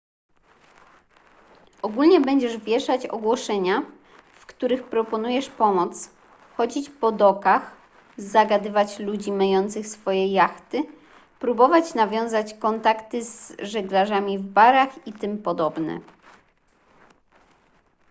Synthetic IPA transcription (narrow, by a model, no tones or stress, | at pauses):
ʔɔɡulɲɛbɛɲd͡ʑɛʐvʲjɛʂat͡ɕɔ̰ɡwɔʂɛɲa | fkt̪uɾɘxpɾɔpɔnujɛʂpɔmɔt̪s | xɔd͡ʑit͡ɕpɔd̪ɔkax | zaɡad̪ɘvat͡ɕlud͡ʑimajɔnt̪sɘxsfɔjɛjaxt̪ɘ | pɾubɔvat͡ɕnavʲjɔ̃w̃zat͡ɕkɔnt̪akt̪ɘzʐɛɡlaʐamʲivbaɾaxit̪ɘmpɔd̪ɔbnɛ̰